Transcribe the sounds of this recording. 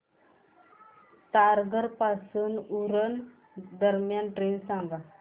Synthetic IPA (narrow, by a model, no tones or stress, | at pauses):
t̪aɾɡəɾpasuːnuɾən | d̪əɾmjanʈɾensãŋɡa